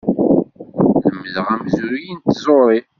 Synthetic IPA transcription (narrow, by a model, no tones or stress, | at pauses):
nəmːəðəʁæmzuɾjint̪ːzˤoɾˤi